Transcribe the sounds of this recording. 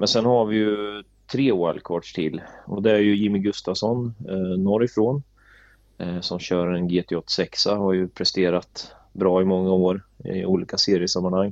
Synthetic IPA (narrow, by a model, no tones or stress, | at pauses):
mɛnsɛnhaɾvɪjɵ | t̪ʰɾeːwa̰lkʰɔːʈʂʈʰɪlːɔd̪ɛæɾjɵjɪmːɪɡɵst̪asɔnnɔɾɪfɾoːn | sɔmɕœːɾaɾɛnɡeːt̪ʰɛɔt̪ːsɛksahaɾjɵpʰɾɛst̪eːɾat̪ | bɾɑːɪmɔŋːaoːɾɪ̰uːliːkaseːɾɪəsamːanhaŋː